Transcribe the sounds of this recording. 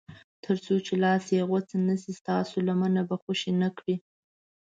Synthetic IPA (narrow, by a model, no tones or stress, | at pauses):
t̪ʰəɾt͡sot͡ʃelɑsjaɣot͡sanəsist̪ɑsolamanabaxoʃinakɽi